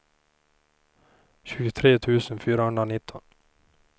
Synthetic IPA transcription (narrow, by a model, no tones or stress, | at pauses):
çʉːət̪ʰɾeːt̪ʰʉːsən̩fyːɾahɵnd̪ɾanɪt̪ʰɔn